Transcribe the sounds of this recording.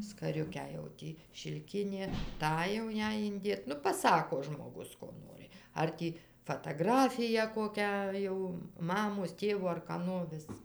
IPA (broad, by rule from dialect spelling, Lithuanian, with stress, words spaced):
skɐˈrʲʊkʲæː jɛʊ ˈtʲiː ʃʲɪlʲˈkʲɪnʲeː ˈtɑː jɛʊ ˈjɛɪ ɪnʲˈdʲeːt ˈnʊ pɐˈsɑːkoː ʒmoːˈɡʊs ˈkoː ˈnoːrʲɪ ˈɐr tʲiː fɐtɐˈɡrɑːfʲɪjæː koːˈkʲæː jɛʊ ˈmɑːmoːs ˈtʲeːʋoː ɐr kɐˈnoː ʋʲɪs